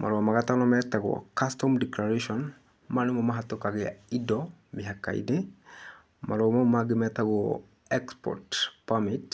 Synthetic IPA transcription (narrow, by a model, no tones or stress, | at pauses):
mʔa̰ɾomaɡat̪anɔmɛt̪ːaɡɔ̰kastɔmdiklaɾeʃɔn | manumɔmaɦat̪ːukaɡɛidɔ | miɦakːa̰ḭdi | maɾomɔmaɡimɛt̪aɡɔ | ɛkspɔ̰ɾtpamit